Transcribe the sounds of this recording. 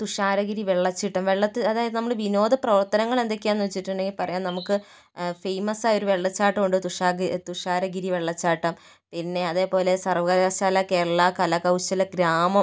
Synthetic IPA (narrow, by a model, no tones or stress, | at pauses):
t̪uʂaːɾɐɡiɾiʋeɭːɐt͡ɕːiʈːɐmʋe̞ɭːɐt̪ːiɐðaːjɐðɨnɐmːɐɭʋino̞ːd̪ɐprɐʋɐrt̪ɐnɐŋːɐɭe̞nd̪ekʲːuaenːuʋet͡ɕːiʈːuɳɖe̞ŋɡilpɐrɐjaːnnɐmukːɨ | fejmɐsaːjo̞ɾuʋe̞ɭːɐt͡ɕːaːʈːɐmoɳɖɨt̪uʂaːt̪uʂaːɾɐɡiɾiʋe̞ɭːɐt͡ɕːaːʈːɐm | pinːe̞ɐðe̞ːpo̞ːle̞sɐrʋɐɣɐɾaɕaːlakeɐɭːɐkɐlɐkɐwɕɐlɐɡɾaːmɐ